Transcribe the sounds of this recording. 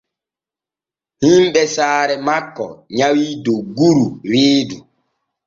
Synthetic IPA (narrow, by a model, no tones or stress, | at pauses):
himɓɛsaːɾɛmakːɔ̰ɲawiːdoɡuɾuɾeːdu